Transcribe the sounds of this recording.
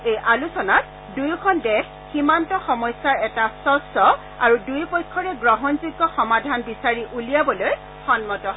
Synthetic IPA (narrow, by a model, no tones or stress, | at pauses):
ejʔalusɔnat | dujkʰɔndɛx | ximantɔxɔmɔsaɹɛtasɔsɔ | aɹudujpɔjkʰːɔɹɛɡɹɔɦɔnziɡːɔxɔmadʱanbisaɹiʔulijabɔloj | xɔnmɔtɔ